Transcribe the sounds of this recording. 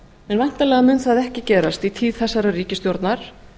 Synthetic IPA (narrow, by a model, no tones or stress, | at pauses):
ɛnvajn̥t̪alɛːɣamʏːnθaðɛhcɪcɛːɾast̪it̪ʰiːðθɛsːaɾariːcɪst̪jowɾt̪naɾ̥